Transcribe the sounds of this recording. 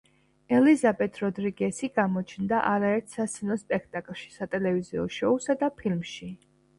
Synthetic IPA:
ɛlizabɛt̪ʰɾɔd̪ɾiɡɛsiɡamɔt͡ʃʰnd̪aʔaɾaɛɾt̪ʰsat̪sʰɛnɔspʼɛkʰt̪ʼakʼlˠʃi̥sat̪ʼɛlɛviziɔ̰ʃɔusad̪apʰilmʃi

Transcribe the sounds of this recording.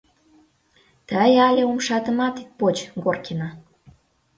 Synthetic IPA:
t̪əjɑlʲeomʃɑt̪ə̆mɑt̪it̪̚pot͡ɕɡorkenɑ

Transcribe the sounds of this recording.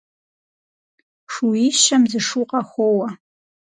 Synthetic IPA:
ʂuiʃɐmzɨʂuːqɐxʷoːwɐ

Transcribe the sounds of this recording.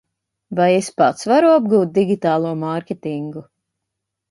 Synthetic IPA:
vajespat̪svaɾuab̚ɡuːt̪̚d̪iɡʲit̪aːlˠuɔmaɾkʲet̪iŋɡu

